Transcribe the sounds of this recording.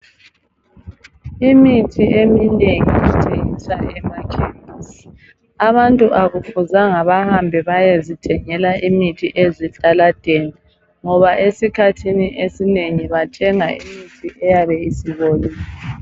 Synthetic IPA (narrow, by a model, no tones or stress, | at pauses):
imitʰiʔemineŋḭitʰʼeŋisaɛmakʰɛmas | aβantʼuʔaɣufuzaŋaβahambʱɛβajezitʰɛŋɛlaʔimitʰiʔezit͡ɬʼalad̥ʱeni | ŋɔβaʔesikʰatʰiniʔesineŋiβatʰɛŋaḭmitʰiʔɛjaβɛisiβoliːlɛ